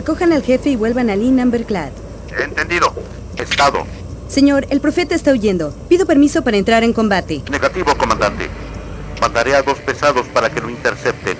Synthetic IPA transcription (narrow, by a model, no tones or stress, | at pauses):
ako̞xanalxe̞fe̞iβwe̞lβanalinambeɾklat̪ | eːnt̪end̪iðo̞̰ | est̪aðo̰ | se̞ɲo̞ɾe̞lpɾo̞fe̞t̪aest̪auʝe̞nd̪o̞piðo̞pe̞ɾmiso̞paɾaent̪ɾaɾe̞ŋko̞mbat̪e̞ne̞ɣat̪iβokomãnd̪ant̪ḛ | mãnd̪aɾeaðo̞spe̞saðo̞spaɾake̞lo̞int̪eɾsep̚t̪ḛn